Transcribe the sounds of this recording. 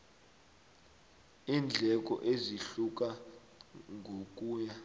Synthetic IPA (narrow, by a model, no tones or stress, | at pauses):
iːnd͡ɮʱɛk̬ʼɔ̰ʔeziɬuk̬ʼa | ŋʱok̬ʼuːɲa